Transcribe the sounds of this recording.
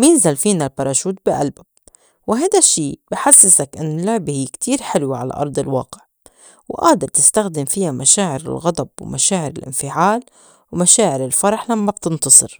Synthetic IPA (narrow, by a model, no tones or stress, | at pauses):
mɪnzalfiːnalbɑɾˤɑːʃuːt̪̚bɪʔa̰lbab̚ | wɪɦajd̪aʃːiːb̥ɪħasːɪsakʔɪnːɪlːʊʕbhɪjːkt̪ʰiːɾħɪlwaʕala̰ʔɑ̰ɾˤd̪ˤɪlwɑ̰ːqɪ̥ʕ | wʔaːd̪ɪɾˤt̪ɪst̪axd̪ɪmfɪjamʔaʃaːʕɪɾɪ̰lɣɑd̪ˤɑbw̰mʔaʃaːʕɪɾɪ̰lʔɪ̰nfɪʕaːl | wmaʃaːʕɪɾɪlfɑɾˤɑħlamːab̥̚t̪ɪnt̪ɑsˤɨ̰ɾ